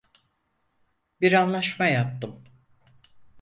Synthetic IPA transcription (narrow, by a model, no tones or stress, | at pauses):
biɾanlˠaʃmajap̚t̪ʰɯm